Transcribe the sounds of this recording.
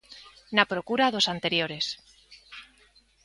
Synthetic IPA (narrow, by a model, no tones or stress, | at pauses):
napɾo̞kuɾaðo̞sant̪e̞ɾjo̞ɾe̞s